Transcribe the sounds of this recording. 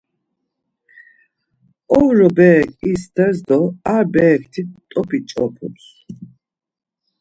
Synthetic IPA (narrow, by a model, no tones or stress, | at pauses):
ɔvɾɔbɛkʰʼist̪ʰɛzd̪ɔaɾbɛːkʰt̪ʰitt̪ʼɔpʰʼit͡ʃʼɔpʰṵt̪s